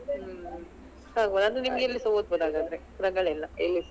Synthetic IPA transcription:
haːɡboːd̪ɐnd̪ɾenimɐɡeelːisɐʋod̪̚boːd̪aːɡaːd̪ɐɾekɾɐɡɐɭɛlːɐelːis

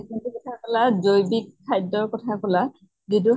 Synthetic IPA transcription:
ekʰintukɔtʰakɔlazojbikʰːajdɔɹkɔtʰakɔla | ɡidu

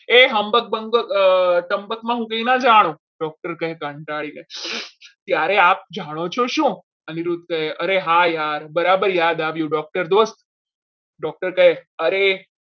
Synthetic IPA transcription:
eɦəmbək̚bəŋɡəkʈəmbəkmãɦũkəinãd͡ʒaɽ̃õ | ɖɔk̚ʈəɾkəɦekəɳʈaɭine | t̪jaɾeap̚d͡ʒaɽ̃ot͡ʃʰoʃũ | əniɾut̪̚kəeʔəɾeɦajaɾbəɾabəɾjad̪aʋjũɖɔk̚ʈəɾd̪ost̪ | ɖɔk̚ʈəɾkəɦeəɾe

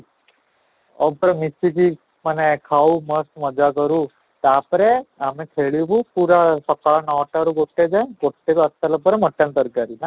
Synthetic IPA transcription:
ɔ̰pɾemit͡ʃːiki | mənekʰauməst̪mɐd͡ʒakəɾu | t̪aːpɾeamẽkʰeɭibupuɾasəkanɔːʈaɾukoʈːed͡ʒakoʈːek̪uɐst̪alɐpɾeməʈːənt̪əɾkaɾina

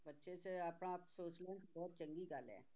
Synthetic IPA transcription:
bɐtːʃʰeseɐpnapsoːt͡ʃl̃ːkbɔːt̪̚t͡ʃɐ̃ŋɡiɡaːlɛ̰̃ː

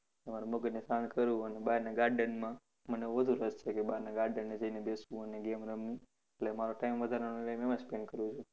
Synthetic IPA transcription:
emaɾuməɡənesankəɾũənebanaɡaɾɖənmã | məneʋəd̪ʱuɾəst͡ʃʰekebanaɡaɾɖənːed͡ʒəinebesũəneɡemɾəmːi | eʈlemaɾoʈaimʋəd̪ʱaɾanelemɛmãspeɳɖkəɾũt͡ʃʰu

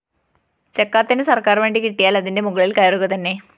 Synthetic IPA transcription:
t͡ɕekːaːt̪ːinɨsɐrkaːrʋeːɳɖikiʈːijaːlɐðinde̞muɣɐɭilkɐjɐruɣɐt̪ɐnːe̞

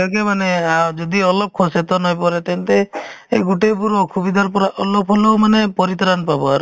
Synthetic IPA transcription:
akemanead͡ʒɔd̪iɔlɔb̚kʰɔset̪ɔnɔjpɔɾet̪ent̪ḛːɡuʈepuɾɔkʰubid̪ʱaɾpɔɾaʔɔlɔbɦɔlowmanepɔɾit̪ɾanpabɔaɾ

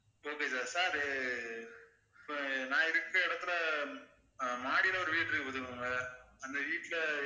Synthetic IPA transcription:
oːkeːsaːɾsaːɾɯ | nãːɪɾɯkːɐɛɽɐt̪ːɯlɐ | maːɽilɐʋɐɾɯʋiːʈːɪɾɯkːɯpɐðɯɐŋɡɐɐnd̪ɐʋiːʈːlɐ

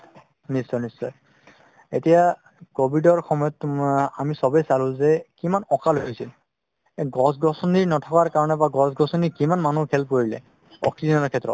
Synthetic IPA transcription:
nisɔnisɔ̰ | etija | kobʱidɔɹxɔmɔjɔtamisɔbɔjsalʊ̃zɛkimanɔkaloɦijsil | ɛɡɔsɡɔsɔniɹnɔtʰɔkaɹkaɹɔnɛbaɡɔsɡɔsɔnikimanmanukʰɛlp̚koɹilɛ̰ | ɔ̰ksizɔnɔɹkʰɛtːɹɔ̰t̚

